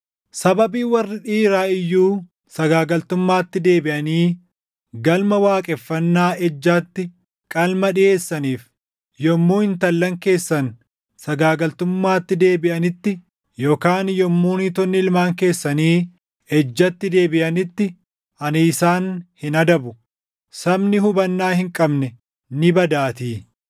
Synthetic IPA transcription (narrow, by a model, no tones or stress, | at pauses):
sɐbɐbiːwɐrːɪᶑiːɾaːɪjːuː | sɐɡaːɡɐlt̪ʊmːaːt̪ːɪd̪e̞ːbɪʔɐniː | ɡɐlmɐwaːkʼɛfːɐnːaːʔɛd͡ʒːaːt̪ːɪ | kʼɐlmɐᶑɪjʔe̞ːsːɐniːf | jɔmːuːhɪnt̪ɐlːɐŋke̞ːsːɐn | sɐɡaːɡɐlt̪ʊmːaːt̪ːɪd̪e̞ːbɪʔɐnɪt̪ːɪ | jo̞ːkaːnjɔmːuːnit̪ɔnːɪɪlmaːŋke̞ːsːɐniː | ɛd͡ʒːɐt̪ːɪd̪e̞ːbɪʔɐnɪt̪ːɪ | ɐnisaːnhɪnɐd̪ɐbʊ | sɐbnɪɦʊbɐnːaːhɪŋkʼɐbnɛ | nɪbɐd̪aːt̪iː